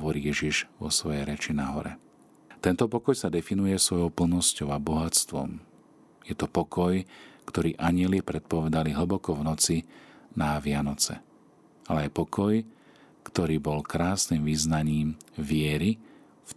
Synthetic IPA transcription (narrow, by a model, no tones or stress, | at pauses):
ʋɔɾiːjɛʒiʒʋɔ̰sʋɔjɛjɾɛt͡ʃinaɦɔɾɛ | t̪ɛnt̪ɔpɔkɔjsad̪ɛfinujɛsʋɔjɔʊpl̩nɔscɔʊabɔɦat͡st̪ʋɔ̰m | jɛt̪ɔpɔkɔjkt̪ɔɾiːʔaɲɪɛlipɾɛt̪̚pɔʋɛd̪aliɦl̩bɔkɔvnɔt͡sinaʋɪanɔt͡sɛ̰ | alɛajpɔkʰɔj | kt̪ɔɾiːbɔlkɾaːsniːmʋiznaɲiːmʋɪɛɾi | f